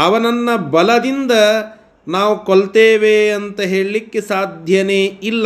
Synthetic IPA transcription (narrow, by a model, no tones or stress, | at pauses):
ɐʋɐnɐnːɐbɐlɐd̪ind̪ɐ | naːʋukoɭt̪eːʋeɐnt̪ɐɦe̞ːɭilikːesaːd̪ʱjɐneːilːɐ